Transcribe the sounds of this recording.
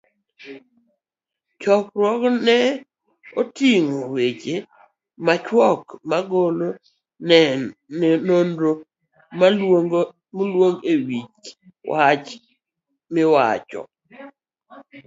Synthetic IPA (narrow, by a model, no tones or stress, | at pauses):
t͡ʃɔk̚ɾwɔknɛ | otiŋowet͡ʃe | mat͡ʃwɔkmaɡolo | nɛnːenondo | ma | molwoŋɡewit͡ʃ | wat͡ʃ | mɪwa̰t͡ʃɔ̰